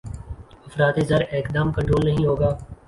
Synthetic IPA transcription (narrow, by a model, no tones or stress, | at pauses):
ɐfɾaːt̪ezɐɾeːkd̪aːmkɐ̃ɳʈɾoːlnɐɦĩɦoːɡaː